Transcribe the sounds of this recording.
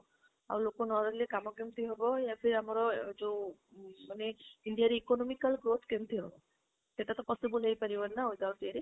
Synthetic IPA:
a̰wlokonɔɾɔlekamɔkemt̪ʰiɦɔbɔjapʰiɾiamɔɾɔd͡ʒe | maneiɳɖijaɾeikonɔmikalɡɾot̪ʰkemt̪ʰiɦɔbɔ | seʈat̪ɔpɔsibɔlejpaɾibaɾnaojd̪aɾʈeɾe

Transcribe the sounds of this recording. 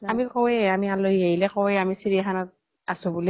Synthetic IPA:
amikɔwɛamialoieɦilɛkɔwɛamisiɹixanɔt̚ | asʊ̃buli

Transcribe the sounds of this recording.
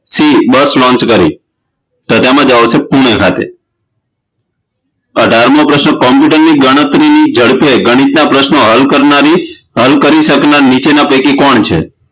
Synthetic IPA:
sibəslɔ̃nt͡ʃkəɾḭ | t̪ət̪amãd͡ʒaʋsepuɽ̃ekʰa̰t̪ḛ | əɖʱaɾmopɾəʃnokɔmpuʈəɾniɡəɽ̃ət̪ɾinid͡ʒəɽpeɡəɽ̃it̪napɾəʃnoɦəlkəɾnaɾi | ɦəlkəɾiʃəknaɾnit͡ʃenapekikɔɳt͡ʃʰḛ

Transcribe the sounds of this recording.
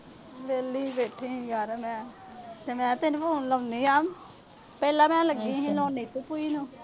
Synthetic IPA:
ʋeːliːbeːʈʰiːjaːɾmɛ̃ː | t̪eːmɛ̃ːt̪enũːpʰoːnləːniːaːm | pɛːlãːmɛ̃ːləɡiːɦĩːloːneːt̪uːpuiːnũː

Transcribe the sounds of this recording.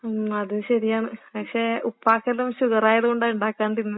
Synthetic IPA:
ɐðuɕɐɾijaːɳɨpɐkʂeːupːaːkːɐlumɕuɣɐraːjɐðuɣoɳɖaːuɳɖaːkːaːɳɖinːɐð

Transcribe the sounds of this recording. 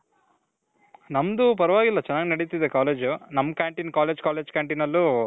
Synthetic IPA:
nɐmd̪up̬ɐɾɐʋaːɡilːɐt͡ʃɛnːaːɡinɐɽit̪id̪ekaːleːd͡ʒunɐmːkaːɳʈinkaːleːd͡ʒkaːle̞ːd͡ʒkaːɳʈinɐlːu

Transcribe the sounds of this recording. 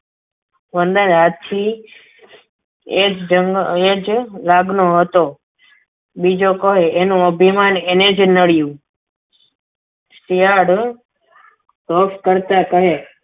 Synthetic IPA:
ʋənd̪ənɦat͡ʃʰi | ed͡ʒd͡ʒəɡed͡ʒlaɡnoɦət̪o | bid͡ʒokəɦeʔenũəbʱimanened͡ʒnəɭjũ | sijaɽ | sofkəɾt̪akəɦe

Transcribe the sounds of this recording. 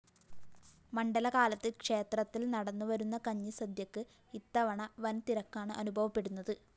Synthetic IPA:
mɐɳɖɐlɐkaːlɐt̪ːɨkʂe̞ːt̪rɐt̪ːilnɐɽɐnːuʋɐɾunːɐkɐɲːisɐd̪jɐkːɨ | it̪ːɐʋɐɳɐʋɐnt̪iɾɐkːaːɳɨʔɐnubʱɐʋɐpːe̞ɽunːɐðɨ

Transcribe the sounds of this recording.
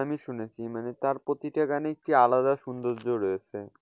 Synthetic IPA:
amiʃunet͡ɕʰimanet̪aɾpɾot̪iʈaɡaneek̚ʈialad̪aʃund̪oɾd͡ʑoɾojet͡ɕʰe

